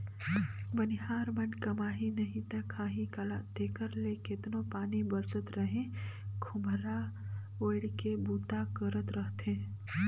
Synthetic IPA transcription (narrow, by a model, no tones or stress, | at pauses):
bənɪɦaːɾmənkəmaːɦinəɦĩt̪əkʰãːɦĩkəlad̪eːkəɾlekɪt̪nopaːnibəɾsət̪ɾəɦẽkʰʊmɾa | oːɪɽkebuːt̪akəɾət̪ɾəɦt̪ẽː